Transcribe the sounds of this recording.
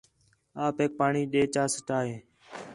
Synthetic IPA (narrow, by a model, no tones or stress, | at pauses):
aːpeːk̚paːɳiːɗeːt͡ʃaːsəʈaːɦeː